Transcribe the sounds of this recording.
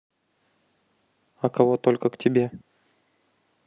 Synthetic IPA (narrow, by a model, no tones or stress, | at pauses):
ɐkɐvo̞t̪o̞lʲkəktʲɪbʲe̞